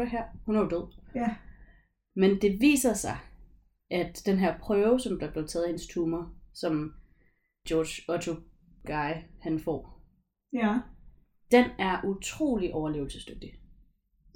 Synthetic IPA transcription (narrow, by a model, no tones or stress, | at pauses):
ɐɦæɐ̰hunæɐjod̥øð̰ˠ | mend̥e̝ʋḭːsɐsɑ̈ɪ | ʔæd̥ːenɦæɐ̰pʰʁœːʊsɒ̽mb̥liɐb̥le̝t͡sʰɛːð̩ˠihe̝nəst͡sʰuːmɐsɒ̽m | d̥jɒːd̥ɕɒ̽t͡sʰo | ɡ̥ɑ̈ɪhænfɒ̰ː | d̥enæɐʔut͡sʰʁo̝̰ːliʔɒʊɐle̝ːʊl̩səsd̥øɡ̥̚d̥i